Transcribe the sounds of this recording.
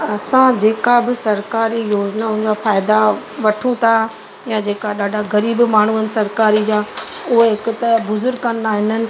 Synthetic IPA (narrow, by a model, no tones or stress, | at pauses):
ɐsãd͡ʑeːkabɪsɐɾkaːɾijoːd͡ʑnaʊ̃ɦɪ̃ɲd͡ʑafaːɪd̪aʋɐʈʰũt̪ʰa | jãd͡ʑeːkaɗaːɖʱaɣɐɾiːbmaːɳ̤uənɪ̆sɐɾkaːɾid͡ʑaːʊɦeɦɪkʊt̪ɐbʊzʊɾɡkɐnd̪aːɦɪnənɪ̆